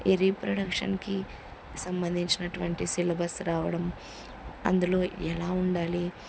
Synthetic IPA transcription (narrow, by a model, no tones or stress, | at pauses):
iɾiːpɾɐɽɐkʂɐ̰nki | sɐmbɐnd̪ʱiɲt͡ʃinɐʈuʋɐɳʈisilɐbɐsɾaːʋɐɽɐm | ɐ̰nd̪ulo̞ːɛlaːuɳɖaːli